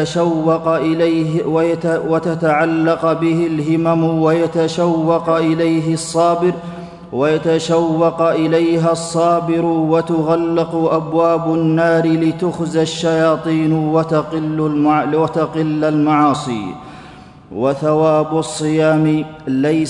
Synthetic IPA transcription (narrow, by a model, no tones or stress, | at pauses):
aʃawːɑq | wwat̪at̪aʕalːɑqbɪhɪlɦɪmamwajat̪aʃawːɑqʔɪlajɦɪsˤːɑːbɪɾ | wajat̪aʃawːɑqʔɪlajɦasˤːɑːbɪɾʊwat̪ʊɣalːɪqʊʔabwaːbʊnːaːɾɪlɪt̪ʊxzaʃːajɑːt̪ˤiːnwt̪lːmwat̪aqɪlːalmaʕɑːsˤḭː | waθawaːbʊsˤːɨjaːmɪlaj